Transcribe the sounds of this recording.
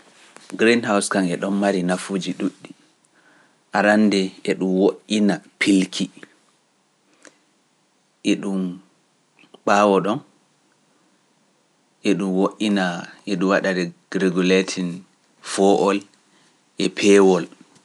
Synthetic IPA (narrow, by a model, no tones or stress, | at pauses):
ɡɾindhawskaŋɛɗɔnmaɾinafud͡ʒiɗuɗːi | ʔaɾandɛɛɗumwoʔːinapʰilkʰi | ʔɛɗum | ɓawɔɗɔn | ʔɛɗumwoʔːinaɛɗumwaɗadɛɾeɡuletʰin | fɔʔɔl | ʔɛpʰɛwɔl